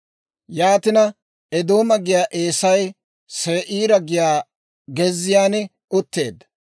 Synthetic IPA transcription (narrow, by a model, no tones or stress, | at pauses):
jaːt̪ɪnɐ | ɛd̪o̞ːmɐɡɪjaːʔeːsɐj | seːʔiːɾɐɡɪjaː | ɡɛzːɪjaːnɛ | ʊt̪ːe̞ːd̪ɐ